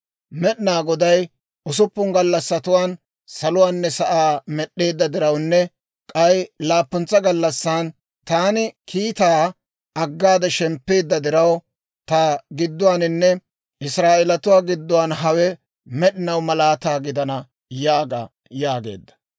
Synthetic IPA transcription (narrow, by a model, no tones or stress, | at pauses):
mɛɗɪnaːɡɔd̪ɐj | ʔʊs̬ʊpːʊŋɡɐlːɐsːɐt̪ʊwaːn | sɐlʊwaːnːɛsɐʔaːmɛɗːe̞ːd̪ːɐd̪ɪɾɐwnːɛ | kʼɐjlaːpːʊnt͡sːɐɡɐlːɐsːaːn | t̪aːnɪkʰiːt̪aː | ɐɡːaːd̪ɛʃɛmpːe̞ːd̪ːɐd̪ɪɾɐw | t̪aɡɪd̪ːʊwaːnɪnːɛ | ʔɪsɾaːʔɛlɐt̪ʊwaːɡɪd̪ːʊwaːnɦɐwɛ | mɛɗɪnɐwmɐlaːt̪aːɡɪd̪ɐnɐ | jaːɡɐ̰ | jaːɡe̞̰ːd̪ːɐ̥